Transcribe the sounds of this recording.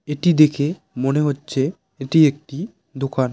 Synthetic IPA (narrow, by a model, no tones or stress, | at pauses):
eʈid̪ekʰe | moneɦotːɕʰe | eʈiek̚ʈi | d̪okʰan